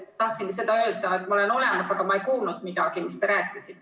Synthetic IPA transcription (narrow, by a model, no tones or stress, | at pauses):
t̪ɑht̪siŋɡ̥is̬e̞d̪ɑø̞ːld̪ɑet̪ːˑmɑole̞no̞le̞mɑsɑɡ̥ɑmɑe̞jkuːlnud̪̥mid̪̥ɑɡ̥imist̪eɾæːkːˑisit̪ːˑ